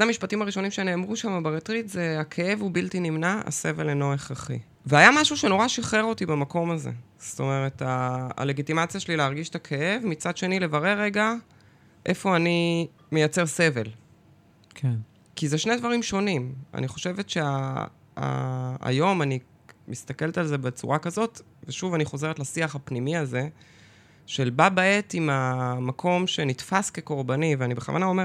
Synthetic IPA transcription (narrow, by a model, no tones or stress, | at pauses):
adamiʃpatimaʁiʃo̞nimʃene̞ːmʁuʃamabaʁetʁitzeakʰe̞ʔe̞vubiltinimnaa̰se̞ve̞leno̞eχʁaχḭ | veajamaʃuʃe̞no̞ʁaʃiχe̞ʁo̞tibamako̞mazḛ | st̪o̞me̞ʁe̞ta̰ːle̞ɡitimat͡sjaʃelileaʁɡiʃtakʰe̞e̞vmit͡sad̪ʃe̞nile̞vaʁe̞ʁːe̞ɡa | ʔe̞fo̞ani | me̞jat͡se̞ʁse̞ve̞l | ke | kizeʃne̞jd̪vaʁimʃo̞nima̰niχo̞ʃe̞ve̞tʃe̞a | a̰a̰jo̞mani | mist̪ake̞lt̪alze̞bet͡sṵʁakazo̞t | veʃuvaniχo̞ze̞ʁet̪lasiaχapnimiaze̞ | ʃe̞lbabaetimamakʰo̞mʃenitfaske̞ko̞ʁbaniveanibeχa̰va̰nao̞me